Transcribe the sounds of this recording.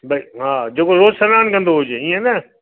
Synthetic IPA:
bɐiɦãːd͡ʑeːkoɾoːzsənaːnkə̃nd̪oɦʊd͡ʒeiːẽnɛ

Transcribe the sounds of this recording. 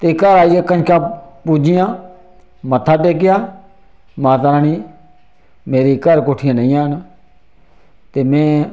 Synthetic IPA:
t̪eːkəɾaːiakənkãːpuːd͡ʒɪjãː | mət̪ʰːaːʈeːk̬ɪjaː | mãːt̪̬aɾaːniː | meːɾiːkəɾkoːʈʰɪjãːnaĩjãːn | t̪eːmẽː

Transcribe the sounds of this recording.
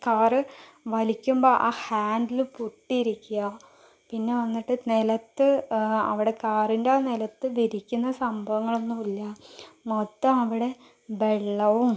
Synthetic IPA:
kaːrɨʋɐlikʲːumboːʔaːhaːnɖilpuʈːiiɾikʲːuɣɐ | pinːe̞ʋɐnːiʈːɨnelɐt̪ːɨɐ̰ʋiɽe̞kaːrindeaːnelɐt̪ːɨʋiɾikʲːunːɐsɐmbʱɐʋɐŋːɐɭo̞nːumilːɐmot̪ːɐmɐʋiɽe̞ | be̞ɭːɐʋum

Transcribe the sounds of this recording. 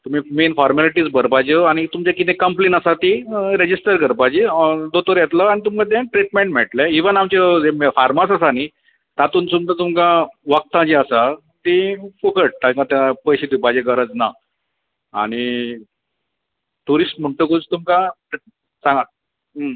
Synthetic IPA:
t̪um̤iːmenfɔɾmaliʈiːt͡sbʱəɾpajd͡ʑəaɽ̃it̪umt͡ɕakit̪ẽkəmplenəsat̪iɾed͡ʑisʈəɾkəɾpad͡ʑid̪ot̪əɾjet̪ləañit̪̬umkat̪̬ẽʈɾiʈ̚meɳʈmɛʈlɛiʋənamt͡ɕed͡zemfaɾmasəsani | t̪at̪uːnsumd̪at̪umkãʋək̚t̪ãd͡ʑiəsa | t̪ifukəʈ̚t̪ãkãt̪ãpəjɕit̪upad͡ʑeɡəɾəd͡zna | a̰ɽ̃i | ʈuɾisʈm̤əɳʈ̪əkud͡zt̪umka | sãŋɡa

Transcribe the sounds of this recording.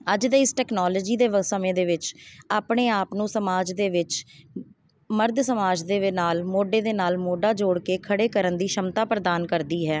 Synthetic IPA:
əd͡ʒd̪eːɪsʈɛːknɔːlɔːd͡ʒiːd̪eːʋəsəmẽːd̪eːʋɪt͡ʃaːpɳeːaːpnũːsəmaːd͡ʒd̪eːʋɪt͡ʃ | məɾd̪səmaːd͡ʒd̪eːɪnaːlmoːɖeːd̪eːnaːlmoːɖaːd͡ʒoːɽkeːkʰəɽeːkəɾənd̪iːʃəmt̪aːpɾəd̪aːnkəɾd̪iːɦɛː

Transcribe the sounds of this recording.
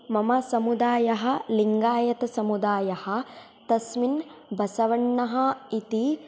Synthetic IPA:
mɐmɐsɐmud̪aːjɐɦɐ̆liŋɡaːjɐt̪ɐsɐmud̪aːjɐhɐ̆ | t̪ɐsminbʱɐsɐʋɐɳːɐɦɐit̪i

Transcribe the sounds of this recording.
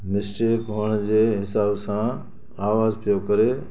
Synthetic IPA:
mɪsʈeːkɦʊɽ̃d͡ʑeːɦɪsaːbsã | aːʋaːzpʰijokɐɾe

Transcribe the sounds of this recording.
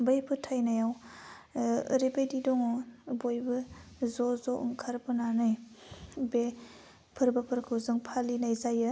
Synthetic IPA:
bajpʰɯtʰajnajaw | ɾibejdidɔŋɔbojbɯzɔzɔʔṵŋkʰaɾbɯnanɯj | be | pʰɯɾbɐpʰɯɾkʰɯwzɯŋpʰalinajzajɯ

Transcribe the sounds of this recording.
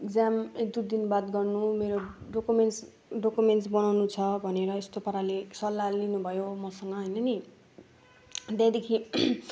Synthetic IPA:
ekd͡zamek̚d̪ud̪inbat̪ɡʌrnumeɾoɖokumens | ɖokumenʈsbʌnawnut͡sʰʌbʱʌneɾʌest̪opʌɾalesʌlːalinubʱʌjomʌsʌŋɡʌɦʌjnʌni | d̪jãd̪ekʰi

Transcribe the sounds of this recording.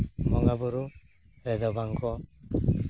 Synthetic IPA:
mɔŋabuɾu | ɾɛd̪ɔɡaŋkʰɔ

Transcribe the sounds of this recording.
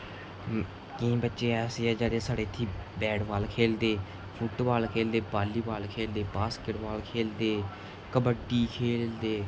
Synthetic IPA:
kĩːbətːʃeːɛːseːɛːd͡ʒaːɽeːsaːɽeːt̪ʰːiːbɛːɽʋaːlkʰeːld̪eː | pʰʊʈʋaːlkʰeːld̪eːbaːlːiːʋaːlkʰeːld̪eːbaːskeʈʋaːlkʰeːld̪eː | kəbəʈːiːkʰeːld̪eː

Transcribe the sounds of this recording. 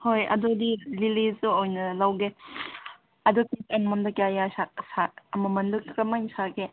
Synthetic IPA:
hojɐ̰dudililizuojnɐlawɡe | ɐdupisɐnmɔndɐkjajasak̚sak̚ɐmɐmɐnldukikɾɐmajnsake

